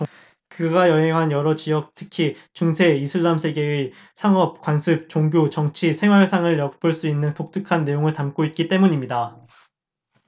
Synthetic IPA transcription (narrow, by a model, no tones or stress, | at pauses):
kɯɡajʌɦe̞ŋɦanjʌɾʌt͡ɕijʌk̚tʰɯ̥kʰit͡ɕuŋsʰe̞isʰɯɭːamsʰe̞ɡe̞ɯ | sʰaŋʌp̚kwansʰɯp̚t͡ɕoŋɡʲjot͡ɕʌŋt͡ɕʰisʰe̞ŋwaɭsʰaŋɯɭjʌk̚p͈ɯɭs͈uinːɯntok̚t͈ɯkʰanːe̞joŋɯɭtamk͈oit̚k͈it͈e̞muɲimɲida